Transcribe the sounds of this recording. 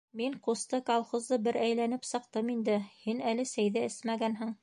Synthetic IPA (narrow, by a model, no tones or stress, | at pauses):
miŋqust̪ɤkɐlˠχŏzd̪ɤbɘɾæjlænɘpsɤ̆q̚t̪ɤmind̪ɘhinælɘsæjðɘɘsmæɡænɦɘɴ